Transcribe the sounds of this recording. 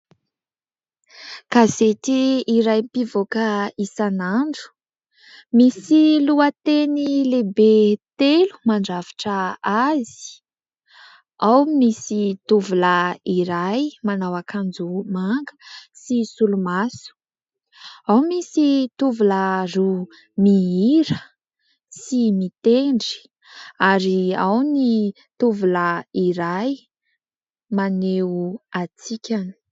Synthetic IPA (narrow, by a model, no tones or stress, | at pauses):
kazet̪iːɾajpivokəisanaɳɖ͡ʐu̥ | misiluət̪enilebet̪elu̥maɳɖ͡ʐavi̥ʈ͡ʂəazi̥ | awmisit̪uvulaiɾajmanawakʰand͡zumaŋɡəsisulumasu̥ | awmisit̪uvuləru | miiɾə | simit̪eɳɖ͡ʐi̥ | aɾiawni | t̪uvuləiɾaj | maneuat͡sikʲani̥